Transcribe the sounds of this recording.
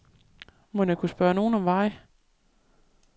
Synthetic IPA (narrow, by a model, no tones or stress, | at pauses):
monɑ̈kʰusb̥ɶɐno̝ːn̩ɒ̽mʋɑ̈ɪ̰